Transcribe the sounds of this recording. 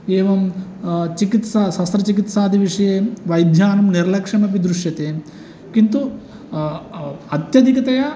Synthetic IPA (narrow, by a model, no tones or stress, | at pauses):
eːʋɐmt͡ʃikit̪sasɐst̪ɾɐt͡ʃikit̪saːd̪iʋiʂɐjeːʋɐjd̪ʱjaːnɐmniɾɐlɐkʂɐmɐp̬id̪ɾuʂjɐt̪eː | kint̪u | ɐt̪jɐd̪ʱikɐt̪ɐjɐ